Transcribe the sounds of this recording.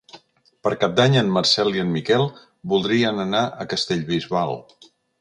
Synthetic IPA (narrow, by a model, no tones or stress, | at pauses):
pəɾkap̚d̪aɲənməɾsɛlˠiənmikɛlˠ | bulˠd̪ɾiənənaʔəkəst̪eʎβizβalˠ